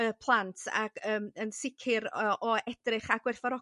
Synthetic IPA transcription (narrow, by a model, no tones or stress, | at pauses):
əpʰlˠantʰa̰ɡ̥əːmənsɪkʰɪɾʔɔɛd̥rɪχaɡ̥wɪrfɔɾɔ